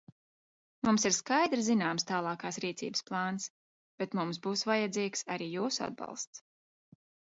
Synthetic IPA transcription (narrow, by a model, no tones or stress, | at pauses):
mumsiɾskajd̪ɾzinaːmst̪aːlˠɑːkaːsɾiːt̪sḭːbəsplˠɑːns | b̥ɛt̪mums̬buːsvajad̪ziːksaɾiːjuːsua̰d̪̚bɑ̰lˠst̪s